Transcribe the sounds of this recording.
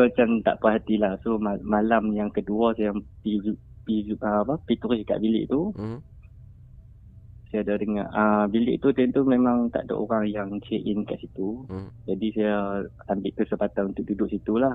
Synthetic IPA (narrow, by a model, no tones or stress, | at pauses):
səmat͡ʃamt̪a̰ʔpaɦat̪ilahsomamalamjaŋkəduasajapiu | piʔəapəpit̪uɾɪska̰ʔbilɪ̰ʔt̪u | sajadadəŋaʔəbilɪ̰ʔt̪ut̪ɛnt̪umemaŋt̪a̰ʔda̰ʔo̰ɾaŋjaŋt͡ʃeʔɪnka̰ʔsit̪ud͡ʒadisaja | ambɪʔ̚t̪usəpat̪anunt̪ʊk̚dudʊʔsit̪ulah